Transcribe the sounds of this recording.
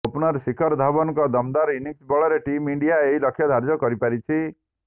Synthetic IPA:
opnɔɾsikʰɔɾd̪ʱabɔnɔkɔd̪ɔmd̪aɾiniksbɔɭɔɾeʈimiɳɖijaeɦilɔkʰːjɔd̪ʱaɾd͡ʒɔkɔɾipaɾit͡ʃʰi

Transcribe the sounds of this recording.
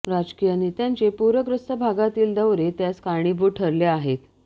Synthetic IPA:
ɾad͡ʑkijənit̪jaɲt͡ɕepuɾʋəkɾust̪əbʱaɡat̪iːld̪əʋɾet̪jaskaɽ̃iːbuʈʰəɾleaɦet̪

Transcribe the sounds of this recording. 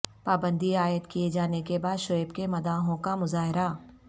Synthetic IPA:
paːbə̃nd̪iaːjət̪kied͡ʒaːnekebaːd̪ʃojəbkemɐd̪aːɦõkamʊzaːɦɪɾa

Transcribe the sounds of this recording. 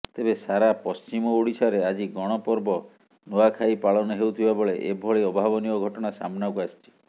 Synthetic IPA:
t̪ebesaɾapɔst͡ʃimɔoɽisaɾead͡ʒiɡɔɽ̃ɔpɔɾbɔ | noakʰaipaɭɔnɔɦewt̪ʰibabɔɭeʔebʱɔɭeɔbʱabɔniɔɡʱɔʈɔɽ̃asa̰mɔnawkuasi̥t͡ʃʰi̥

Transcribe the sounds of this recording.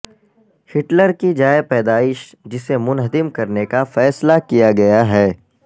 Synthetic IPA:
hɪʈləɾkid͡ʒaːepɛːd̪aːɪʃ | d͡ʒɪsemʊnɦəd̪ɪmkɐɾnekafɛːslakijaɡɐjaɦɛː

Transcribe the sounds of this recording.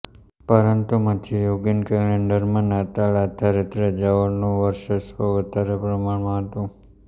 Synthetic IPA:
pəɾənt̪umət̪ʰijoɡənkɛleɳɖəɾmənat̪alat̪ʰaɾet̪ɾəd͡ʒaʋəɾnũʋəɾʃəsʋəʋət̪aɾepɾəmaɳmãɦət̪ũ

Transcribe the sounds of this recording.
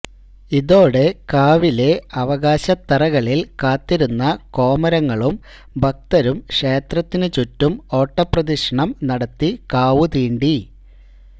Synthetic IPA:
iðo̞ːɽekaːʋile̞ɐʋɐɣaːɕɐt̪ːɐrɐɣɐɭilkaːt̪ːiɾunːɐko̞ːmɐɾɐŋːɐɭum | bʱɐk̚t̪ɐɾumʂe̞ːt̪rɐt̪ːinɨt͡ɕutːumo̞ːʈːɐprɐðiʂɐɳɐmnɐɽɐt̪ːikaːʋut̪iːɳɖi

